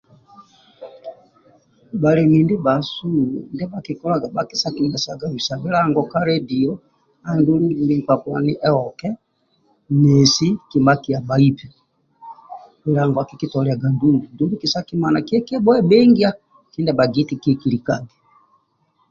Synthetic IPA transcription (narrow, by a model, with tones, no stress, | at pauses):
ba˨ɾɛ˨mi˨ndi˦ba˨su˦˨ndɛ˦ba˨ki˨kɔ˦la˨ɡa˨ba˨ki˦sa˦ki˨mɛ˨sa˨ɡa˨βi˨sa˨bi˦la˦ŋɡɔ˨ka˦ɾɛ˦di˨ɔ˦ | a˨ndu˦lu˦ɡi˨i˦ŋ˨kwa˨kwa̰˨ni˦ʔɛ˦ɔ˨kɛ˦ | mɛ˨si˦ki˨mba˦ki˨a˨ba˨i˦pi˨ | ki˨la˨ŋɡwa˨ki˨ki˦tɔ˨lɛ˨a˨ɡa˨ndu˦ŋɡu˨ndu˦ɡu˦ki˨sa˦ki˦ma˨na˨ki˦ɛ˦ki˦a˦bɔ˦ɛ˦bɛ˦ŋɡi˦a˦ | ki˦ndɛ˨ba˨ɡi˦ti˨kɛ˨ki˨li˨ka˨ɡɛ˨